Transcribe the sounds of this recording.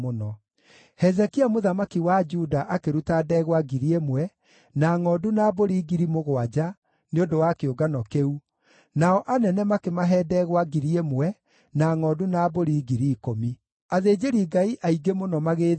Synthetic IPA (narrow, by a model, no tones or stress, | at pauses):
onɔ | hɛzɛkiamoðamakiwad͡ʒudaʔakeɾutadɛɣwaɡiɾiemwɛ | naŋɔdunaboɾiːɡiɾimoɣwad͡ʒa | neondowakeoɡanɔkeu | naɔʔanɛnɛmakemaɦɛːdɛɣwaɡiɾiemwɛ | naŋɔdunaːboɾiːɡiɾiːkomi | aðeːd͡ʒeɾiɡaiʔaiɡemonɔmaɣeː